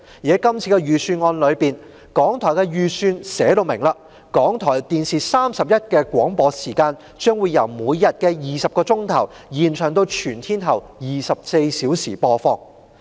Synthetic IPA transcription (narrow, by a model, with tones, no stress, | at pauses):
ji˨ɛ˦˥kɐ˥mt͡sʰi˧kɛ˧jyː˨˩syː˧nŋɔː˧nlɵ˨˧ɥpiː˨˩n | kɔː˨˥ŋt̪ʰɔː˨˩jkɛ˧jyː˨˩syː˧nsɛː˨˥t̪o˧wmɪ˨˩ŋlaː˧ | kɔː˨˥ŋt̪ʰɔː˨˩jt̪iː˨nsiː˨˩saː˥msɐ˨p̚jɐ˥t̚kɛː˧kʷɔː˨˥ŋpɔː˨˧siː˨˩kaː˧n | t͡ʃœː˥ŋwuː˨˧jːɐ˨˩wmuː˨˧jːɐ˨t̚kɛ˧jiː˨sɐ˨p̚kɔː˧t͡sʊ˥ŋt̪ʰɐ˨˩w | jiː˨˩nt͡ʃʰœː˨˩ŋt̪o˧wt͡ʃʰyː˨˩nt̪ʰiː˥nt̪ʰɐ˨˩w | jiː˨sɐ˨p̚se˧jsiː˨˥wsiː˨˩pɔː˧fɔː˧ŋ